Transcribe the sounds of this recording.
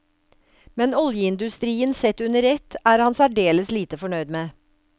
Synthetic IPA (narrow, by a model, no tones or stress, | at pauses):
mɛnɔljəɪnd̪ʉst̪ɾiːənsɛt̪ʉnəɾɛt̪æːɾhɑnsæɖeːləsliːt̪əfɔɳœʏd̪meː